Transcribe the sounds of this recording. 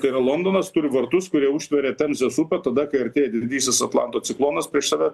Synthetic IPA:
t̪ɐɪɾɐlˠoːnd̪oːnɐst̪ʊɾʲɪʋɐɾt̪ʊskʊɾʲiɛʊʃʲt̪ʋʲɛɾʲɛt̪ʲɛmʲzʲɛsupʲɛt̪ɐd̪ɐkɐɪɐɾʲt̪ʲeːjɛd̪ʲɪd̪ʲiːsʲɪsɐt̪lˠɑ̰ˑnt̪oːsʲɪklˠoːnɐspʲɾʲiɛʃsɑːʋʲɛ

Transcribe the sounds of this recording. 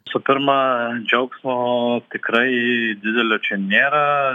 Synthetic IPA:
ɪsʊpʲɪɾmɐd͡ʒʲɐʊksmot̪ʲɪkɾɐɪd̪ʲɪd̪ʲɛlʲot͡ʃʲɛnʲeːɾɐ

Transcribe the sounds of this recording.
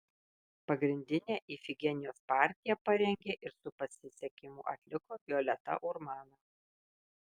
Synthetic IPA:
pɐɡɾʲɪnʲd̪ʲɪnʲeːʔiːfʲɪɡʲɛnʲɪjoːspɑːˑɾʲt̪ʲɪjɛpɐɾʲɛŋʲɡʲeːʔɪɾsʊpɐsʲɪsʲɛkʲɪmʊ̰ːʔɐ̰t̪ʲlʲɪkoːɡʲoːlʲɛt̪ɐ̰ʔʊɾmɑːnɐ

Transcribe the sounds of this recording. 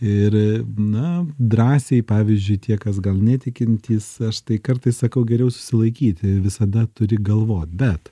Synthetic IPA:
ɪɾnɐd̪ɾɑːsʲeɪpɑːʋʲizʲd͡ʒʲʊɪt̪ʲiɛkɐs̬ɡɐlˠnʲæt̪ʲɪkʲɪnʲt̪ʲiːsɐʃt̪ɐɪkɐɾt̪ɐɪssɐkɐʊɡʲɛɾʲɛʊsʊ̥sʲɪlˠɐɪkʲiːt̪ʲɪʋʲɪsɐd̪ɐt̪ʊɾʲɪɡɐlˠʋoːt̪ʲbʲɛt̪

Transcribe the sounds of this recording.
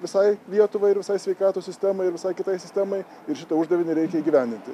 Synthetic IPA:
ʋʲɪsɐɪlʲiɛt̪ʊʋɐɪɪɾʋʲɪsɐɪsʲʋʲɛɪkɑːt̪oːsʲɪsʲt̪ʲæmɐɪɪɾʋʲɪsɐɪkʲɪt̪ɐɪsʲɪsʲt̪ʲæmɐɪ | ɪɾʃʲɪt̪ɐʊʒd̪ɐʋʲɪnʲɪɾʲɛɪkʲɛiːɡʲiːʋʲæˑnʲd̪ʲɪnʲt̪ʲɪ

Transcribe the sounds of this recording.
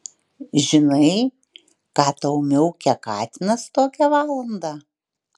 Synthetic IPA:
ʒʲɪnɐɪ | kɑːt̪ɐʊmʲɛʊkʲɛkɑːt̪ʲɪnɐst̪oːkʲɛʋɑːlˠɐnd̪ɑ

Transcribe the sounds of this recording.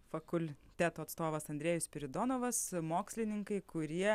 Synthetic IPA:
fɐkʊlʲt̪ʲæːt̪oːɐt̪st̪oːʋɐsɐnʲd̪ʲɾʲeːjʊsʲpʲɪɾʲɪd̪oːnoːʋɐsmoːksʲlʲɪnʲɪŋkɐɪkʰʊɾʲiɛ

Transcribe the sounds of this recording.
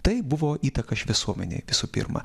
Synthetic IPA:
t̪ɐɪbʊʋoːʔiːt̪ɐkɐɪʃʋʲɪsuɔmʲɛnʲḛːʋʲɪsuːpʲɪ̰ɾmɐ̰

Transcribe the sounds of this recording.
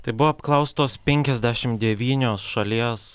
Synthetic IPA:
t̪ɐɪbʊʋoɐpklˠɐʊst̪oːspʲɛŋʲkʲɛzʲd̪ʲæʃʲɪmd̪ʲɛʋʲiːnʲoːsʃɐlʲiɛs

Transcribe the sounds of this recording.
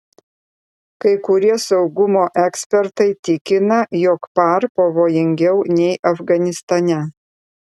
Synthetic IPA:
kɐɪkʊɾʲiɛsɐʊɡʊmoːʔɛksʲpʲɛɾt̪ɐɪt̪ʲɪkʲɪnɐjɔkpɐɾpɐʋoːjɪŋʲɡʲɛʊnʲɛɪʔɐfɡɐnʲɪst̪ɐnʲɛ

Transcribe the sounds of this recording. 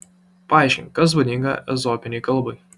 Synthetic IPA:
pɐɑˑɪʃʲkʲɪnʲkɐs̬bod̪ʲɪŋɡɐ̰ɛ̰zɔpʲɪnʲɛɪkɐlˠˑbɔɪ

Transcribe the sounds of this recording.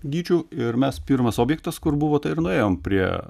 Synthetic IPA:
ɡʲiːt͡ʃʲuːɪɾmʲɛspʲiɾmɐsoːbʲjɛkt̪ɐskʊɾbʊʋoːt̪ɐɪɪɾnʊeːjoːmpʲɾʲiɛ

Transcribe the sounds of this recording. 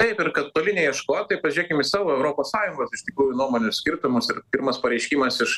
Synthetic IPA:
t̪ɐɪpɪɾkɐt̪t̪oːlʲɪnʲɛɪiɛʃkoːt̪ɐɪpɐʒʲiɛkʲɪmɪsɑːʋoːɛʊɾoːpoːssɑːjʊŋɡoːsɪʃʲt̪ʲɪkɾuːjʊnuɔmoːnʲʊssʲkʲɪɾt̪ʊmʊsɪɾpʲiːrmɐspɐɾʲɛɪʃʲkʲiːmɐsɪʃ

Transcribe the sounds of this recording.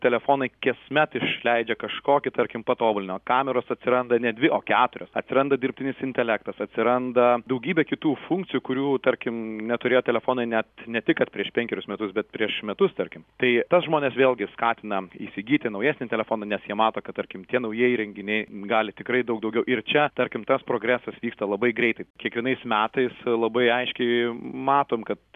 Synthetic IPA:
t̪ʲɛlʲɛfoːnɐɪkʲɛsmʲɛt̪ɪʃlʲɛɪd͡ʒʲɛkɐʃkoːkʲɪt̪ɐɾʲkʲɪmpɐt̪oːbʊlʲɪnʲɪmɐkɑːmʲɛɾoːsɐt̪ʲsʲɪɾɐnd̪ɐnʲɛd̪ʲʋʲɪʔoːkʲæːt̪ʊɾʲoːsɐt̪ʲsʲɪɾɐnd̪ɐdʲɪrp̚ʲt̪ʲɪnʲɪsɪnʲt̪ʲɛlʲækt̪ɐsɐt̪ʲsʲɪɾɐnd̪ɐd̪ɐʊɡʲiːbʲɛkʲɪt̪uːfuŋkt͡s̪ʲɪjʊkʊɾʲuːt̪ɐɾʲkʲɪmnʲɛt̪ʊɾʲeːjoːt̪ʲɛlʲɛfoːnɐɪnʲɛt̪nʲɛt̪ʲɪkɐt̪̚pʲɾʲiɛʃpʲɛŋʲkʲɛɾʲʊsmʲɛt̪ʊsbʲɛt̪pʲɾʲiɛʃmʲɛt̪ʊst̪ɐrʲkʲɪmt̪ɐɪt̪ɐsʒmoːnʲeːsʋʲeːlʲˠɡʲɪskɑːt̪ʲɪnɐiːsʲɪɡʲiːt̪ʲɪnɐʊjɛːsʲnʲɪt̪ʲɛlʲɛfoːnɐnʲɛsjiɛmɑːt̪oːkɐt̪̚t̪ɐɾʲkʲɪmt̪ʲiɛnɐʊjiɛjɾʲɛŋʲɡʲɪnʲɛɪɡɑːlʲɪt̪ʲɪkɾɐɪd̪ɐʊkd̪ɐʊɡʲɛʊʔɪrt͡ʃʲɛt̪ɐɾʲkʲɪmt̪ɐspɾoːɡɾʲæːsɐsʋʲiːkst̪ɐlˠɐbɐɪɡɾʲɛɪt̪ɐɪkʲiɛkʋʲiɛnɐɪsmʲæːt̪ɐɪslˠɐbɐɪɐɪʃʲkʲɛɪmɑːt̪oːmkɐt̪

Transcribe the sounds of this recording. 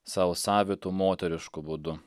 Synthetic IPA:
sɐʊsɑːʋʲɪt̪uːmoːt̪ʲɛɾʲɪʃkʊbʊd̪ʊ

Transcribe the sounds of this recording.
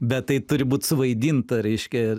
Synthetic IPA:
bʲɛt̪tɐɪt̪ʊɾʲɪbuːt̪ʲsʊʋɐɪd̪ʲiːnt̪ɐɾʲɛɪʃʲkʲɛ

